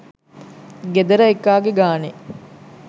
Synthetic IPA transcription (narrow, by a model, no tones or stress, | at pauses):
ɡed̪ɐɾɐekːaːɡeɡaːne